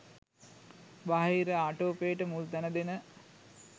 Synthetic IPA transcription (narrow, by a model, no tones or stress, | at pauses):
baɦiɾəaʈoːpejːʈəmuld̪ænəd̪enə